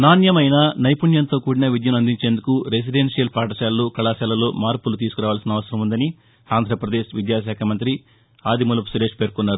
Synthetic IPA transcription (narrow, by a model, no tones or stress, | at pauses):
naːnjɐmɐjnɐnɐjpuɳjɐnt̪o̞ːkuːɽinɐʋid̪jɐlɐnd̪iɲt͡ʃe̞ːnd̪ukuɾes̬iɖenʂijɐlpaːʈɐsaːlluːkɐɭaːsɛːlɐloːmaːɾpulut̪iːsu̥kuɾaːʋaːlsinɐʋɐsɐɾɐmund̪ɐni | aːnd̪ʱɾɐpɾɐd̪e̞ːʃʋid̪jaːʃ̬aːkʰɐmɐnt̪ɾi | aːd̪imulɐpsuɾeːʂpeːɾkunːaːɾu